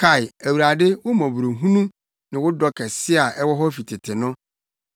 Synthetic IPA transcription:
kʰa˦˨ɪ˨æ˨wu˨ɾa˨dɪ˦wʊ˦mɔ̃˨bu˨ɾo˨ɦũ˦nũ˦ | nɪ̃˨wʊ˦dɔ˦kʰɛ˨sɪ˦a˨ʔɛ˦wɔ˦ɦɔ˦fi˨tʰɪ˨tʰɪ˨nʊ̃˦

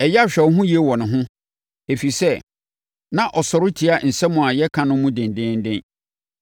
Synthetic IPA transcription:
ɛ˨jɛ˦a˦ɕᶣɛ˨˦ɦʊ̃˦ji˦e˦wɔ˨nʊ̃˨ɦʊ̃˦ | e˨fi˨sɛ˦ | nã˨ʔɔ˨sɔ˨ɾʊ˦tʰi˨a˦n̩˨sɛ˦mʊ̃˨a˨jɛ˦kʰã˨nʊ̃˦mũ˦dɪ̃˨n˨dɪ̃˦n˦dɪ̃˦n

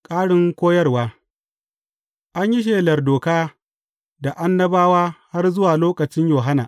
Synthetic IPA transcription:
kʼaː˦ɽɪ˦ŋkʷoː˦jɐ˦rwaː˦ | ʔa˦ɲji˦ʃ̬eː˨lɐ˨rdoː˨kaː˦ | da˨ʔa˦nːɐ˦baː˦waː˦ha˦rzʊ˦waː˨loː˦kɐ˨t͡ʃɪ˦ɲjoː˨ɦa˦naː˨ʔ

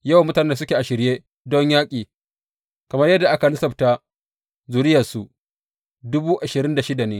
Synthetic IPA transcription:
ja˦˨wmʊ˦taː˨ne˦sʊ˦kʲeː˨ʔa˨ʃɪ˨ɾjeː˦ | dɔ˦ɲjaː˦kʲʼiː˨ | kɐ˨mɐ˦rjɐ˦dːa˨ʔa˦ka˨lʊ˦sɐ˨bta˦ | zuː˨ɾɪ˦ja˨su˨ | dʊ˦buː˦ʔa˨ʃɪ˨ɾɪ˦nda˨ʃɪ˦da˨neː˦

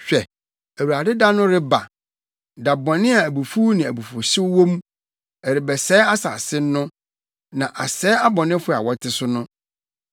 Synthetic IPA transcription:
ɕᶣɛ˨ | æ˨wa˨dɪ˦da˦nʊ̃˦ɾɪ˦ba̰˨ | da˨bɔ̃˨nɪ̃˦a˨æ˨bu˨fu˦nɪ̃˨æ˨bu˨fʊ˨ɕɪ˦wwõ˦m | ɛ˨ɾɪ˨bɛ˨sɛ˦a˦sa˨sɪ˦nː˦ʊ̃˦ | nã˨ʔa˨sɛː˨˦a˦bɔ̃˨nɪ̃˦fʊ˦˨a̰˨wɔ˦tʰɪ˦sʊ˦nʊ̃˦

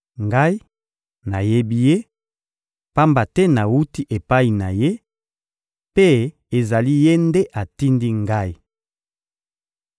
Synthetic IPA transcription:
ŋɡa˦i˦ | na˨je˦bi˦je˦ | pa˦mba˨tɛ˦na˨wu˦ti˦ʔe˨pa˦i˨na˨je˦ | pe˦ | e˨za˨li˦je˦nde˦ʔa˨ti˦ndi˦ŋɡa˦i˨

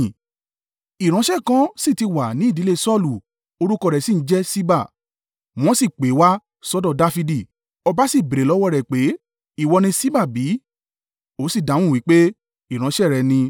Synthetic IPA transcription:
i˨ɾ̃ã˨˦ʃɛ˦˨kã˦si˦˨ti˧wa˨nĩ˨˦˨di˨˦le˦sɔ˦˨lu˨ | o˧ɾu˦kɔ˧ɾɛ˨si˦n̩˨˦d͡ʒɛ˦si˦ba˦˨ | w̃ɔ̃˦si˦˨k͡pe˨˦wa˦ | sɔ˦dɔ˦˨da˦fi˧di˦˨ | ɔ˧ba˦si˦˨be˨ɾe˨lɔ˦wɔ˦˨ɾɛ˨k͡pe˨˦ | i˦˨wɔ˧nĩ˧si˦ba˦˨bi˨˦ | o˨˦si˦˨dã˨˦w̃ũ˦˨wi˨˦k͡pe˦ | i˨ɾ̃ã˨˦ʃɛ˦˨ɾɛ˨nĩ˧

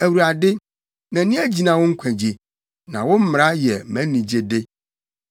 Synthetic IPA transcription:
æ˨wu˨ɾa˨dɪ˦ | nã˨˦nɪ̃˦æ˦d͡ʑi˨nã˨wʊ˦ŋ̩˦kʷʰæ̃˨d͡ʑe˨ | nã˨wʊ̃˦m̩˦m˨ɾa˦jɛ˨˦mæ̃˨˦nĩ˨d͡ʑe˦de˦

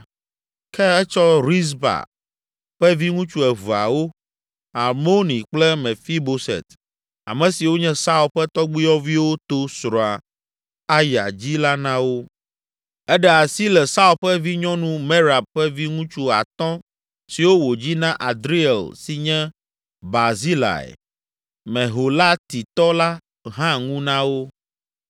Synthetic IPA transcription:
kɛ˦ɛ˦t͡ʃɔ˦ɾi˦s̬ba̰˨ | ɸɛ˦vi˦ŋũ˦t͡ʃu˦ɛ˨vu˨a̰˨wo˦ | a˨ɾmo˦nĩ˨k͡plɛ˦mɛ̃˨fi˦bo˦sɛ̰˨t̪ | a̰˨mɛ̃˨si˨wo˦ɲɛ̃˦sa˦u˦˨lɸɛ˦t̪ɔ˦ɡ͡bi˦jɔ˦vi˦wo˦t̪o˦sɾɔ˨a˨ | a˦ja̰˨d͡ʑi˦la˦nã˦wo˦ | ɛ˦ɖɛ˦a˨si˦lɛ˨sa˦u˦˨ɸɛ˦vi˦ɲɔ̃˦nũ˦me˦ɾa˨b̚ɸɛ˦vi˦ŋũ˦t͡ʃu˦a̰˨t̪ɔ̃˦ | si˨wo˦wo˨d͡ʑi˦nã˦ʔa˨d̪ɾi˦ɛ˨lsi˨ɲɛ̃˦ | ba˨zi˦la̰˨ɛ̰˨ | mɛ̃˨ɦo˨la˦t̪i˨t̪ɔ˦la˦ | ɦã˦ŋũ˦nã˦wo˦

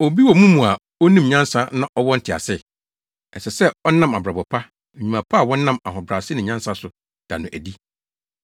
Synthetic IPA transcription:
o˨bi˦wɔ˨mũ˦mũ˨a˨ | o˦nĩ˦m˨ɲã˦nsa˦nã˦ʔɔ˦wɔ˦n̩˦tʰɪ˨a̰˨sɪ˦ | ɛ˨sɛ˨sɛ˦ɔ˦nã˦ma˨bɾa˨bɔ˨pʰa˦˨ | ɲĩ˨mã˨pʰa˦a˨wɔ̃˦nː˦ã˦ma˨ɦɔ˨bɾa˨sɪ˦nɪ̃˨ɲã˦nsa˦sʊ˨ | d̥a̰˨nʊ̃˨ʔæ̰˨di˦

